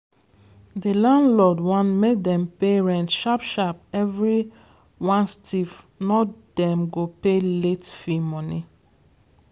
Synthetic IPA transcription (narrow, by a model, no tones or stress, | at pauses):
dilãndlɔdwãnmek̚dɛ̃mpeɹɛ̃ntʃapʃapɛvɹi | wãnstʰif | nɔdɛ̃mɡopeletfimɔ̃ni